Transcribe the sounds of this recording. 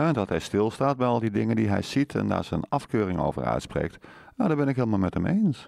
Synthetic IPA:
ndɑtɦɛjstɪlˠstaːt̚bɛjɑlˠdidɪŋəndiɦɛ̰jz̥itʰɛ̰nda̰ːɹz̥ɛnɑfkøːrɪŋo̰wvə̰ɹœ̰ɥtsprḛːk̚tjaːdaːbɛnɪkɦɪːlˠmalˠmɛthəmejns

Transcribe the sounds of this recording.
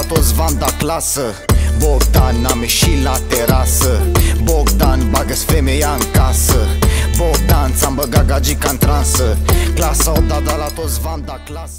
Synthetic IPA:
at̪ot̪svand̪aklasə | boɡd̪anːameʃilat̪eɾasəboɡd̪anbaɡəsfemejankasəboɡ̚d̪ant͡sambəɡaɡad͡ʒikant̪ɾansəklasaod̪ad̪alat̪ot̪svand̪aklas

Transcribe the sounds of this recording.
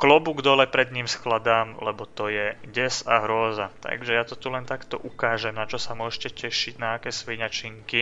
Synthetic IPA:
klɔbuɡd̪ɔlɛpɾɛd̪ɲiːmsklad̪aːmlɛbɔt̪ɔjɛɟɛsaɦɾʊɔzat̪a̰ɡʒɛjat̪ɔt̪ulɛnt̪akt̪ɔ̰ʔukaːʒɛmnat͡ʃɔsamʊɔʒcɛcɛʃiɟnaːkɛːsʋiɲat͡ʃiŋki

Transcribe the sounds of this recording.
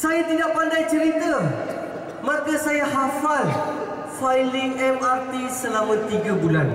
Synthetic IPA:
sajat̪idaʔpandajt͡ʃəɾit̪a | makasajaɦafal | fajlɪŋɛmart̪isəlamãt̪iɡabulan

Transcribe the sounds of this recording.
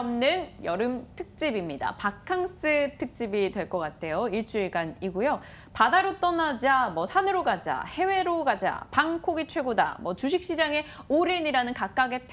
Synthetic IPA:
mnɯnjʌɾɯmtʰɯk̚t͡ɕ͈ibimɲida̰pakʰaŋs͈ɯtʰɯk̚t͡ɕ͈ibitwe̞ɭk͈ʌk͈atʰe̞joiɭt͡ɕ͈uiɭɡaniɡujo | padaɾot͈ʌnad͡ʑamwʌsʰanɯɾoɡkad͡ʑa̰he̞we̞ɾoɡad͡ʑa̰paŋkʰoɡit͡ɕʰwe̞ɡoda̰mwʌt͡ɕuɕ̬ʰik̚ɕ͈id͡ʑaŋe̞oɾeɲiɾanɯnkak̚k͈aɡe̞tʰ

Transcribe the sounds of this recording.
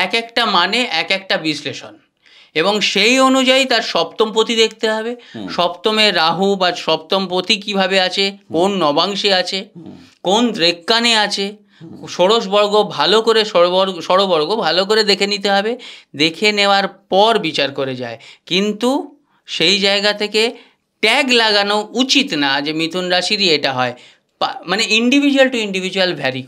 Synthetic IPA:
ɛkɛkʈamaneʔɛkɛk̚ʈabisleʃo̰n | eboŋʃejonud͡ʑait̪aɾʃɔpt̪omp̬ot̪id̪ek̚ʰt̪eɦɔbeʃɔbt̪omeɾaɦubaɾʃɔp̚t̪ompɾot̪ikibʱabeat͡ɕʰekonːɔbaŋʃeat͡ɕʰekond̪ɾekːaneat͡ɕʰe | ʃoɽoʃ̬bɔɾɡobʱalokoɾeobɔɾʃɔɽobɔɾɡobʱalok̬oɾed̪ekʰenit̪eɦɔbed̪ekʰeneoaɾpɔɾbit͡ɕaɾkoɾed͡ʑa̰ekint̪u | ʃejd͡ʑaeɡat̪ʰeke | ʈɛɡlaɡanout͡ɕit̪nad͡ʑemit̪ʰunɾaʃiɾieʈaɦɔe | pamaneiɳɖibʱid͡ʑualʈuiɳɖibʱid͡ʑualbʱɛɾi

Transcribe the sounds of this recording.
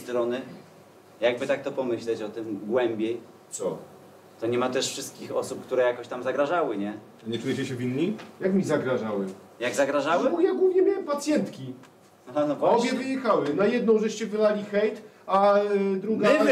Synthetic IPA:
d̪ɾɔnɘ | jaɡ̚bɘt̪ak̚t̪ɔpɔmɘɕlɛt͡ɕɔt̪ɘmɡwɛmbʲjej | t̪sɔ | t̪ɔɲɛmat̪ɛʂfʂɘst̪̚kʲixɔ̰sup̚kt̪uɾɛjakɔɕt̪amzaɡɾaʐawɘɲɛ | aɲɛt͡ʂujɛt͡ɕɛɕɛvʲinːijakmʲizaɡɾaʐawɘ | jaɡzaɡɾaʐawjaɡwuvɲɛmʲjewɛmpat̪sʲjɛnt̪kʲi | nɔpaɔbʲjɛvɘjɛxawɘnajɛd̪̚nɔ̃w̃ʐɛʂt͡ɕɛvɘlalʲixɛjt̪ | ad̪ɾuɡa

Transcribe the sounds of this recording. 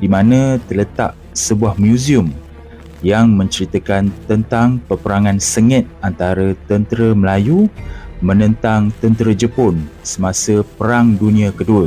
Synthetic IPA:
dimãnə̃t̪ərlət̪a̰ʔ̚ | səbuahmjuziʊm | jaŋmə̃ɲt͡ʃəɾit̪əkant̪ənt̪aŋpərpəɾaŋãnsəŋət̪̚ant̪aɾət̪ənt̪əɾəməlajumə̃nə̃nt̪aŋt̪ənt̪əɾəd͡ʒəpʊnsəmãsəpəɾaŋdunĩãkəduə

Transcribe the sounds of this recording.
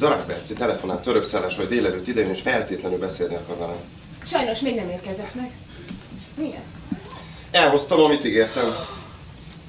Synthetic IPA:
d̪ɒɾɒkbɛ̰rt̪sit̪ɛlɛfo̞naːt̪ːø̞ɾøksaːlːaːʃojd̪eːlɛløːt̪ːid̪ɛjeneːʃfɛlt̪eːt̪lɛnylbɛseːlnikːɒvanan | ʃɒjno̞ʃmeːɡnɛmeːrkɛzɛt̪nɛk | miɡɛ̰n | ɛlɦo̞st̪ɒmɒmit̪iɡeːrt̪ɛm

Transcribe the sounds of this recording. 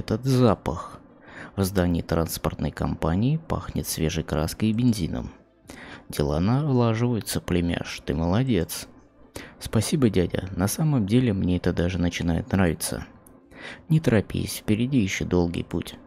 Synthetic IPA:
ɛt̪ət̪zapəx | vzd̪anʲɪːt̪ɾanspərt̪nə̰jkɐ̰mpanʲɪɪpa̰xnʲɪ̰t̪svʲe̞ʐɨjkɾaskəjbʲɪnʲzʲinə̰m | dʲɪlˠa̰nalˠaʐɨvəjɪt̪səplʲɪmʲa̰ʂt̪ɨməlˠɐdʲe̞t̪s | spɐsʲibədʲadʲə̰nɐsaməmdʲelʲɪmnʲeɛt̪əd̪aʐɨnət͡ɕɪnajɪ̰t̪nravʲɪt̪sə̰ | nʲɪt̪əɾɐpʲḭsʲfpʲɪɾʲɪdʲijɪɕːod̪o̞lˠɡə̰jpṵtʲ

